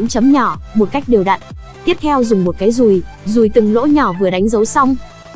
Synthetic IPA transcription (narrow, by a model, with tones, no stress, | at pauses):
ŋ͡mt͡ɕə˨˦mɲɔ˧˩mo˨˩t̚ka˦˥jk̟̚ɗe˨˩wɗa̰˧˨n | t̪i˦˥əp̚t̪ʰɛ˧wzʊ˨˩ŋ͡mmo˨˩t̚kaː˨˦jzu˨˩jzu˨˩jt̪ɨ˨˩ŋlo̰˧˥ɲɔ˧˩vɨ˨˩əɗa˨˦ŋ̟zə˨˦wsa˧wŋ͡m